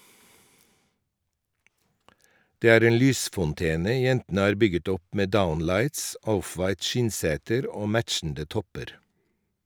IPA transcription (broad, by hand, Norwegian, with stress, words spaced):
ˈdeː ˈæːɾ ˈeːn ˈlyːsfɔnˌteːnə ˈjɛntn̩ə ˈɑːɾ ˈbʏɡət ˈɔp ˈmeː ˈdaʊnlɑɪts ˈɔfʋɑɪt ˈʃɪnˌseːtəɾ ˈoː ˈmætʃn̩də ˈtɔpəɾ